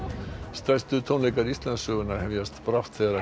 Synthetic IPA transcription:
st̪ḁst̪ʏt̪ʰownlejkaɾist̪lansœːɣʏnahɛvjast̪pɾaft̪θeɾa

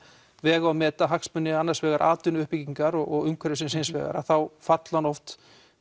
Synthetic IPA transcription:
vɛːɣaamɛːt̪aɦakspʏnːɪanːaɾsvɛːɣaɾʔa̰ːt̪ʏnʏhpiciŋkaɾɔɣɔɣʏŋkʰvɛɾɪsɪnsejnsvɛ̰ːɣa̰ɾa̰θawfat̪lanɔft̪

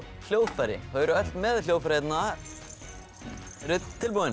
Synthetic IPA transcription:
l̥joːwfaɾɪ̰hœːɥɾʏœl̥t̪mɛðljoːwfaɾhet̪na | rʏt̪ʰːɪlpuwɪn

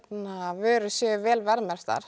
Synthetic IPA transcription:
t̪navœːɾʏsjœːvɛːlvɛɾmɛɾ̥t̪a̰ɾ̥

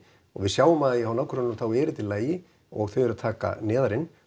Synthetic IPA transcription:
ɔ̰ɣvɪðsjaːwʏmaðjɪhawnawkʰɾanːʏmθawɛːɾɪt̪ʰɪlaːjɪ | ɔ̰ɣθœjɛɾat̪ʰaːka̰nɛːðaɾɪn

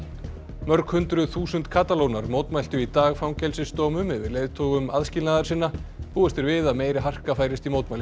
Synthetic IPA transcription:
mœɾkhʏnt̪ɾʏθuːsʏnt̪kʰaːt̪alownaɾmoːwt̪majl̥t̪ʏit̪aːɣfɾawmcɛlsɪst̪ɔːmʏmɪvɪðleːjðt̪ʰowɣʏmaðscɪlnaːðaɾ̥sɪnːapuːɛst̪ɪɾvɪðaðmeːjɾɪɦar̥kafaːjɾɪst̪imowt̪majlɪ

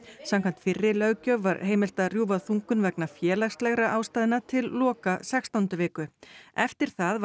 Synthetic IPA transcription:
samkʰan̥t̪fɪrːɪlœɣcœvvːaɾɦeːjmɪl̥t̪aðrjuːvaθuŋkʏnvɛknafjɛːlaxst̪lɛɣɾaʔawst̪aːðɪnat̪ʰɪlːɔːkasɛkst̪awnt̪ʏvɪːkʏɛft̪ɪɾ̥θað

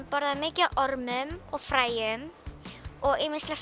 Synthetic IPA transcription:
pɔɾðamɪːcɪʔɔɾmʏmɔɣfɾaːjʏm | ɔɣɪmɪnst̪lɛ

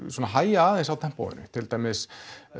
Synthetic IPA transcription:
sɔnaɦaːjaaːðensawt̪ʰɛm̥po̰wðʏ̰nʏ̰t̪ʰɪlt̪aːjmɪs

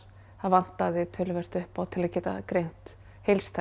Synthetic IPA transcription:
haðvan̥t̪aðɪt̪ʰœːlʏvɛr̥t̪ʏhpawt̪ʰɪlaðcɛːt̪a̰kɾejn̥t̪ | hejlst̪ʰa

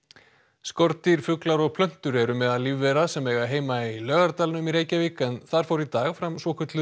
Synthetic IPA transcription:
skɔɾt̪iɾ̥fʏklaɾɔɣpʰlœn̥t̪ʏɾɛɾʏmɛðaðlivːɛɾasɛmɛːɣaɦeːjmailœːɣaɾt̪aːlnʏmiɾeːjcaviːkaɛnθaɾ̥fowɾit̪aːɣfɾamsvɔkʰœt̪lʏ

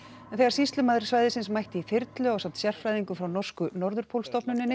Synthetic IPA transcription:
ɛnθɛɣaɾsist̪lʏmaːðɾɪ̥svajðɪsɪnsmajht̪ɪifɪɾt̪lʏɔwsamt̪sjɛr̥fɾajðiŋkʏfɾawnɔr̥skʏnɔɾðʏɾ̥pʰowlst̪ɔpnʏnːɪnːɪ

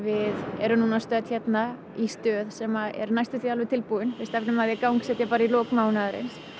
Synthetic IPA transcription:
vɪðɛɾʏnuːnast̪œːt̪çɛt̪na | ist̪œːðsɛmaɛ̰ɾnajst̪ʏθialvɛt̪ʰɪlpuɪnfɪ̥st̪ɛft̪nʏmaðjɛkawŋksɛːt̪japaːɾailɔːkmaːwnaðɪɾɪ̰ns

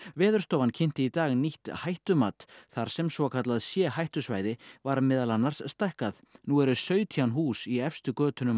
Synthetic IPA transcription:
vɛːðʏɾ̥st̪oːwvancʰɪn̥t̪ɪit̪aːɣniht̪hajht̪ʏmaːt̪θaɾ̥sɛmsvɔkʰat̪laðsjɛːhajht̪ʏsvaːjðɪvaɾmɪðalanːaɾ̥sːt̪ajhkaðnuɛɾʏsœːɥt̪ʰjanɦuːsiɛfst̪ʏkœːt̪ʏnʏm

